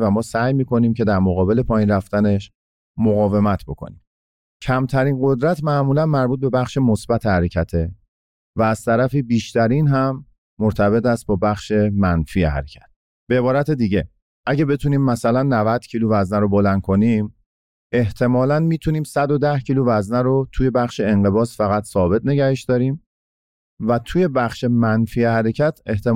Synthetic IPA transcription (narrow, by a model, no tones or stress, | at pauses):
væmɒːsæjmiːko̞niːmcʰe̞d̪æɾmoɣɒːbe̞le̞pʰɒːjinræft̪æne̞ʃ | moɣɒːve̞mæt̪ʰbo̞kʰo̰nim | cʰæmt̪ʰæɾiːnɢo̞d̪ɾæt̪ʰmæʔmuːlænmæɾbuːt̪̚be̞bæχʃemosbæt̪ʰehæɾecʰæt̪ʰe | væːz̥t̪ʰæɾæfiːbiːʃt̪ʰæɾiːnɦæmː | oɾt̪ʰæbe̞t̪ʰæst̪̚bɒːbæχʃe̞mænfiehæ̰ɾecʰæ̥t̪̚ | b̥eːbɒːɾæt̪ʰe̞d̪iːɟe̞ | ʔæɟebe̞t̪ʰuniːmːæsælænːævæd̪̥cʰiːluvæznæɾobo̞lænd̪̥̚kʰo̞nim | e̞ht̪ʰe̞mɒːlænmiːt̪ʰuniːmsæd̪o̞d̪æhcʰiːluvæznæɾot̪ʰuje̞bæχʃeeŋɢe̞bɒːsfæɣæt̪sɒːbe̞t̪̚ʰne̞ɟæɾeʃd̪ɒːɾiːm | væt̪ʰuje̞bæχʃemænfiːehæɾe̞cʰæt̪ʰe̞ht̪e